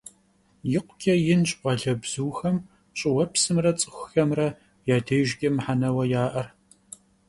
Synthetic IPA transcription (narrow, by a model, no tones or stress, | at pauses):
jɪqʷʊkʰʲʼɐjɪnɕʼʔʷɐɮɐbz̥uːxɐm | ɕʼɪwɐpsɨmrɐt͡sʼɨ̥xʷʊxɐmrɐ | jaːdɐjʒɡʲɐmħanɐwɐjaːʔɐr